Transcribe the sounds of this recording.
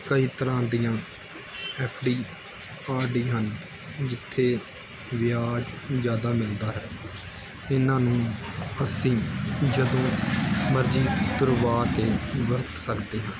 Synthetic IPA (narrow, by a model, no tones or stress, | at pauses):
kəiːt̪əɾãːd̪ijãː | ɛːpʰɖiː | aːɾɖiːɦən | d͡ʒɪt̪ʰːeː | ʋɪjaːd͡ʒzjaːd̪aːmɪld̪aːɦɛː | ɪnãːnũːəsĩːd͡ʒəd̪õːməɾd͡ʒiːt̪ʊɾʋaːkeːʋəɾt̪səkd̪eːɦãː